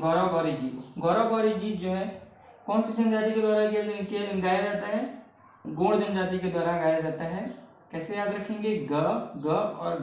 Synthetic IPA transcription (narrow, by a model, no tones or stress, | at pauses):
ɡʱɔɾaɡɔːɾed͡ʒiːɡʱɔːɾaɡɔːɾed͡ʒiːd͡ʒoːɦɛ̃ | kɔːnsed͡ʒɐnd͡ʒaːt̪iked̪aːɾakekeɡaːjad͡ʒaːt̪eɦɛ̃ | ɡoːɽd͡ʒənd͡ʒaːt̪iked̪waːɾaːɡaːjad͡ʒaːt̪eɦɛ̃ | kɛːsejaːd̪ɾɐkʰːẽːŋɡeɡəpɡəɔ̰ːɾ